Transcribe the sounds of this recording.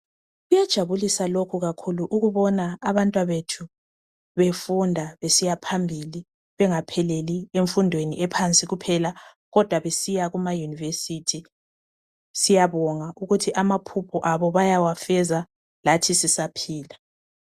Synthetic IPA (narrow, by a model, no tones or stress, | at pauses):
ɣujad̥ʒ̥ʱaβulisalokʰuɣakʰuluʔuɣuβɔnaːβantʼwaβetʰu | βefundʱaβesijapʰambʱili | βɛŋapʰɛlelieɱfundʱweniʔɛpʰant͡sʼiɣupʰɛla | ɣɔd̥ʱwaβesijaɣumajunivesitʰi | sijaβɔŋaʔuɣutʰiʔamapʰupʰɔʔaβɔβajawafɛza | latʰisisapʰiːla